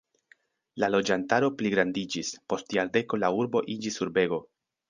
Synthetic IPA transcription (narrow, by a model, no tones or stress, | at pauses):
lalo̞d͡ʒantaɾo̞pliɡɾandid͡ʒispo̞stjaɾde̞ko̞lauɾbo̞ʔid͡ʒisːuɾbe̞ɡo̞